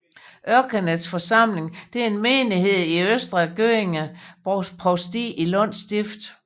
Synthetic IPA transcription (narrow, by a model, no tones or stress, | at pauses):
ʔɶɐɡ̥ʰænəsfɒ̽sɑ̈m̰le̝ŋd̥e̝æɐe̝nmeːnihe̝ð̰ˠiøsd̥ʁɐɡ̥øeŋæ | pʰʁɒsd̥ḭʔilɔ̽n̰sd̥ifd̥